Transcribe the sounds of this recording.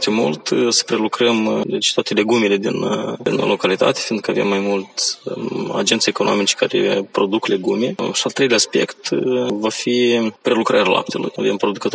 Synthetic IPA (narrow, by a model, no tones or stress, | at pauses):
t̪umṵlt̪sə̥pɾe̞lukɾəmd̪et͡ʃt̪oat̪e̞le̞ɡumele̞d̪inḭnlo̞kalit̪a̰t̪e̥find̪̚kəave̞̰mːajmult̪ | a̰d͡ʒe̞nt̪seeko̞no̞̰mit͡ʃe̥kaɾḛpɾo̞d̪ukle̞ɡumeʃialˠt̪ɾe̞jleaspe̞kt̪vafipɾe̞lukɾa̰ɾʲala̰p̚t̪ʰe̞lṵjave̞mpɾo̞d̪ukət̪o